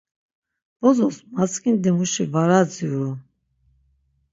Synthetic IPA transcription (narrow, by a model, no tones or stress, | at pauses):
b̥ɔzɔsmat͡skʰind̪ɛmuʃivaɾad͡ziuɾu